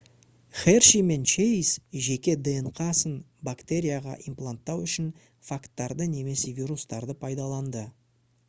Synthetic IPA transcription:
χerʃime̞nt͡ʃejsʒe̞kʲe̞d̪eɴqʰɑsən | bakt̪e̞ɾʲijaʁɑ̰ʔimplˠant̪ːɑwʏʃɪn | fakt̪ːɑɾd̪əne̞me̞sevʲiɾust̪ɑɾd̪əpʰɑjd̪ɑlˠɑnd̪ə

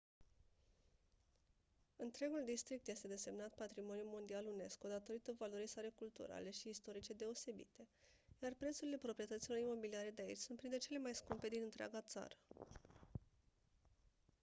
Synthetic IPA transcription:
ɨnt̪ɾe̞ɡuld̪ist̪ɾik̚t̪je̞st̪e̞d̪e̞se̞mnat̪pat̪ɾimo̞njumo̞nd̪ialune̞sko̞d̪at̪o̞ɾit̪ovalo̞ɾisaɾekult̪ṵɾa̰le̞ʃiːst̪o̞ɾit͡ʃe̞d̪e̞o̞se̞bḭt̪e̞ | jarpɾet̪suɾile̞pɾo̞pɾiet̪ət̪siloɾimo̞biliaɾe̞d̪eait͡ʃʲsunt̪pɾint̪ɾet͡ʃe̞le̞majskumpe̞d̪inɨnt̪ɾea̰ɡat̪sa̰ɾə

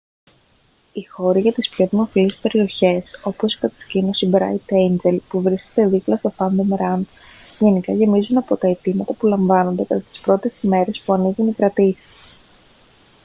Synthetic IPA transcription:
ixo̞ɾiʝɐt̪ispço̞ðimo̞filispe̞ɾio̞çe̞so̞po̞si̥kɐt̪ɐ̥scino̞sibɾɐ̰it̪ejnd͡ʒe̞lpuvɾiscet̪e̞ðiplɐst̪ofɐnd̪omɾɐns | ʝe̞nikɐʝe̞mizunɐpo̞t̪ɐe̞t̪imɐt̪ɐpulɐɱvɐno̞nd̪e̞kɐt̪ɐt̪i̥spɾo̞t̪e̞sime̞ɾe̞spuɐniɣunikɾɐt̪isi̥

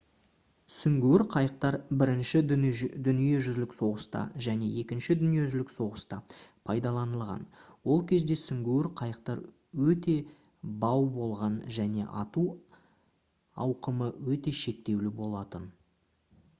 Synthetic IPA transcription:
sʏŋɡʲewɪɾqʰɑjəqt̪ɑɾbɪɾɪnʃɪd̪ʏnije̞ʒʏzlɪkso̞ʁəst̪ɑ̰ʒæne̞je̞kʲɪnʃɪd̪ʏnije̞ʒɪlɪkso̞ʁəst̪ɑpʰɑjd̪ɑlˠɑnəlˠʁɑ̰nwo̞lˠkʲʰe̞zd̪e̞sʏŋɡʲewɪɾqʰɑjəqt̪ɑɾ | wɵt̪e̞ | bɑwbo̞lˠʁɑnʒæne̞̰ʔɑt̪u | ɑwqəməwɵt̪e̞ʃe̞k̚t̪e̞wlɪbo̞lˠɑt̪ən

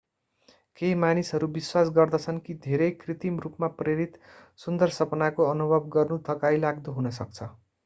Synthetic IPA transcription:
kemanisɦʌɾubiswasɡʌrd̪ʌt͡sʰʌnkid̪ʱeɾʌjkrit̪imrupmapreɾit̪ | sund̪ʌrsʌpnakoʌnubʱʌbɡʌrnut̪ʰʌkajlaɡd̪uɦunʌsʌk̚t͡sʰʌ

